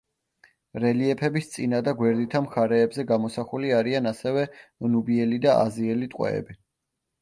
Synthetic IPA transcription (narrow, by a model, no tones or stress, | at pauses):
ɾɛliɛpʰɛbist̪sʼinad̪aɡwɛɾd̪it̪ʰamχaɾɛːbzɛɡamɔsaχuliaɾianasɛvɛnubiɛlid̪aʔa̰ziɛlit̪ʼqʼwɛ̰ɛ̰bi